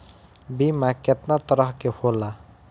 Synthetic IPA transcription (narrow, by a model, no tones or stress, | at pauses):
bimaket̪nat̪ʌɾʌɦkehola